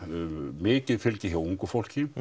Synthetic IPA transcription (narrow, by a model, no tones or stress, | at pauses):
mɪːcɪðfɪlcɪçjowuŋkʏfowl̥cɪ